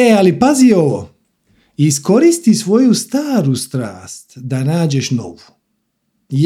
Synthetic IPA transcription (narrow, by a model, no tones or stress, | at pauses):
ealipazio̞ʋo | isko̞ɾist̪isʋo̞just̪aːɾust̪ɾa̰ːst̪d̪anaːd͡ʑeʃno̞̰ʋu | j